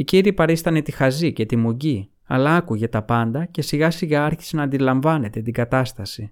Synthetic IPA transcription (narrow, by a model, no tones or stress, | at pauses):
iciɾiːpɐɾist̪ɐnet̪ixɐzice̞t̪imuɟi | ɐ̰lɐɐkuʝet̪ɐpɐnd̪ɐce̞siɣɐsiɣɐɐɾçi̥senɐːnd̪ilɐɱvɐne̞t̪e̞t̪iɡɐt̪ɐst̪ɐsi